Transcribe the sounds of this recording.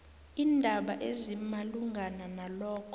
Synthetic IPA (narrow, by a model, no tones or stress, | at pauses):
iːndʱaɓaʔezimaluŋɡʱananalɔːkʰɔ